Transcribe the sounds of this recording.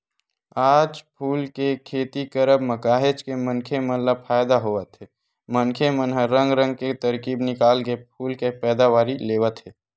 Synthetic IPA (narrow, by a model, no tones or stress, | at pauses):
aːd͡ʒpʰuːlkekʰeːt̪ikəɾəbməkaːɦed͡ʒkemənkʰemələb̚fʰaːjd̪aɦoʋət̪ɦeː | mənkʰemənɦəɾːə̃ŋɡɾə̃ŋɡ̚ket̪əɾkiːbnɪkaːlɡep̚ʰuːlkepɛːd̪aʋaːɾileːwət̪ɦeː